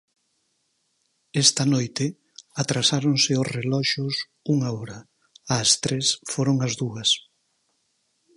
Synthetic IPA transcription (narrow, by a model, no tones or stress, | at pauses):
ɛst̪ɐnojt̪ɪ | at̪ɾasaɾoŋsɪʊsrelɔʃʊs | uŋaɔɾɐ | ɐːst̪ɾesfoɾoŋɐzðuɐs